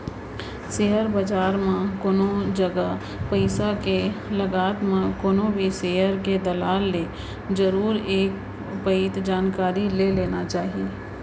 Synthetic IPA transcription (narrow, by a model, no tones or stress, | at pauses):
sejəɾbəd͡ʒaːɾmẽkoːnod͡ʒɐɡa | pəɪsakelɐɡaːt̪mãkoːnõbʱiseːɦəɾked̪ɐlaːlːe | d͡ʒəɾuːɾeːk̚ | pəɪt̪d͡ʒaːnkaːɾileleːnat͡ʃaːɦie